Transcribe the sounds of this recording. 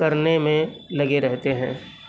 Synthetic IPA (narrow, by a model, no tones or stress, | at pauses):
ɐɾnemẽlɐɡeɾɛɦt̪eɦɛ̰̃ː